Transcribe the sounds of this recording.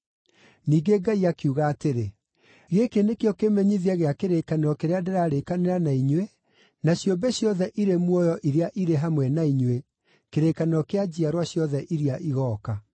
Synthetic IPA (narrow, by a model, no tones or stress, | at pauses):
niːɡeɡaiakjuːɣaːteɾe | ɣekenekeɔkemɛɲiðiaɣeakeɾekaneɾɔkeɾeadeɾaːɾekaneɾanaiɲwe | naɕjombeɕjɔðɛʔiɾemwɔjɔʔiɾeaʔiɾeɦamwɛnaiɲwe | keɾeːkaneɔkead͡ʑiaɾwaɕjɔðɛʔiɾiaʔiɣɔːka